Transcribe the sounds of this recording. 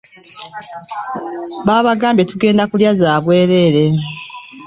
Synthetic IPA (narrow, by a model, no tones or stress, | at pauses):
βaːβaɡaːmbje̞tuɡe̞ːndakuljazaːβwe̞ːɾe̞ɾe̞